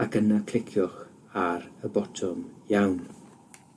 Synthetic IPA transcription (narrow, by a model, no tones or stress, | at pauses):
akənakʰl̥ˠɪkʰjɔχ | aɾəbɔtʰɔmjawn